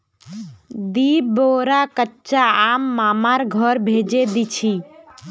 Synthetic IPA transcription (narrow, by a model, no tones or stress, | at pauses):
d̪iːboɾakətːt͡ʃaaːmːaːmaɾɡʱɔɾbʱed͡ʒed̪it͡ʃʰi